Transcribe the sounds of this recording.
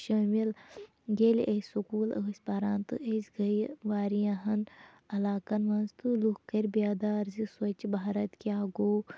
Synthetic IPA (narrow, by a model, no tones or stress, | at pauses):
ʃɐːmil | ɡelʔesukuːləːsʲpaɾaːnt̪ɨʔezʲɡɐjʋaːɾijãɦɐn | ɐlaːkɐnʋɐnzt̪ɨlukkɐɾʲbijaːd̪aːɾziswɐt͡ʃbʱaːɾɐt̪kiaːɡoː